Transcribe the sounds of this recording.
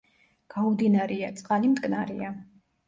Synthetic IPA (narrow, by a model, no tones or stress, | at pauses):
ɡ̥aud̪inaɾiat̪sʼqʼalimd̪ɡʼnaɾia